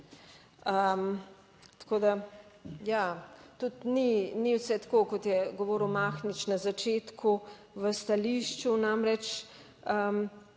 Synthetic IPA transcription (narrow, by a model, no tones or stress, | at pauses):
əm | t̪koːd̪a | jat̪ut̪niniwsɛt̪ḁkokɔt̪jɛɡɔʋɔːɾəwmaːxnit͡ʃnazat͡ʃet̪kʰu | ʋəst̪aliʃt͡ʃunamɾɛt͡ʃ | əm